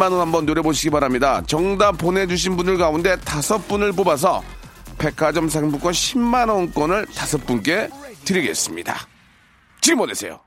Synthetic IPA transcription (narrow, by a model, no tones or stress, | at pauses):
manʌnhambʌnːoɾe̞boɕ̬ʰiɡibaɾamɲidat͡ɕʌŋdapone̞d͡ʑuɕʰinbunɯɭkaunde̞tasʰʌp͈unɯɭpobas̬ʰʌ | pe̞kʰad͡ʑʌms̬ʰaŋbuk͈aɕʰimːanʌnk͈wʌnɯɭtasʰʌp͈unk͈e̞tɯɾiɡe̞̰s͈ɯmɲida̰ | t͡ɕiɡɯmʌnesʰe̞jo̰